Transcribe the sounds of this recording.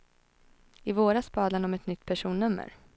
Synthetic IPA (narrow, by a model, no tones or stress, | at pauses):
ɪvoːɾaspɑːd̪laɳɔmɛt̪nʏt̪ːpʰæʂuːnːɵmːə̰ɾ